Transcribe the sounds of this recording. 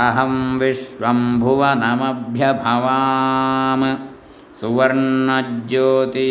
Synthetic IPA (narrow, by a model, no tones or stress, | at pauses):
ɐɦɐmʋiʃʋɐmbʱuʋɐnɐmɐbʱjɐbʱɐʋaːmɐ | suʋɐɾɳɳɐd͡ʒjoːt̪i